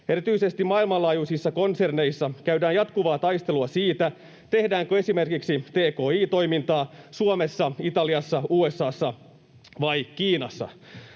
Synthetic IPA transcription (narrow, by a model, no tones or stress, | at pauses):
e̞ɾit̪yise̞st̪imɑilmɑlɑːjusisːɑko̞nse̞rne̞jsːɑkæydæːnjɑt̪kuʋɑːt̪ɑjst̪e̞luɑsiːt̪æ | t̪e̞hdæːŋkøe̞sime̞rkiksit̪eːko̞ːiːt̪o̞jmint̪ɑːsuomesːɑit̪ɑliɑsːɑuːesːɑːsːɑ | ʋɑjkiːnɑsːɑ̰